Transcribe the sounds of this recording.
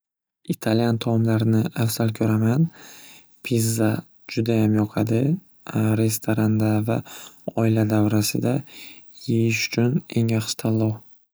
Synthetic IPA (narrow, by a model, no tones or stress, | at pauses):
it̪ʰalijant̪ʰɒmlaɾnɪafsalkʲʰɵɾaman | pʰizːa | d͡ʒʊd̪ajamjɒqʰɑd̪ɪ | ɾe̞st̪ʰoɾand̪avaɒɪlad̪avɾasɪ̰d̪a | jejɪʃʊ̥t͡ʃʰʊne̞ŋjaχʃɪ̥t̪ʰalˠːɒw